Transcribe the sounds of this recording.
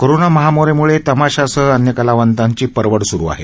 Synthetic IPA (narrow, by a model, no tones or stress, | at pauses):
koɾonaməɦamoɾemuɭet̪əmaɕasəənjəkəlaʋənt̪aɲt͡ɕiːpəɾʋəɽsuɾṵa̰ɦḛ